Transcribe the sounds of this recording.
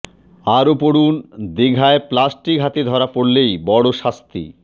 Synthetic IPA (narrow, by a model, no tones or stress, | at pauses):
aɾopoɽund̪eɡʱaeplasʈikɦat̪id̪ʱɔɾapoɽlejbɔɽoʃast̪ḭ